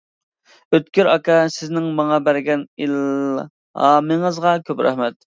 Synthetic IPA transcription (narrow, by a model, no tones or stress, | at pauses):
øt̪̚kʲyɾɑkɑsɪznɪŋmɑŋɑbæɾɡʲɛnil | ɑːmɨŋəzʁɑkʲʰøpɾʔɛ̰hmɛt̪̚